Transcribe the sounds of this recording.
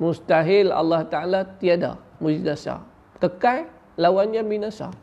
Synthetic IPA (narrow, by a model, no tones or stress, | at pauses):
must̪aɦɪla̰lːaht̪aalat̪iada̰mud͡ʒnasa̰ | k̪əkaj | lawanɲãbinãsa̰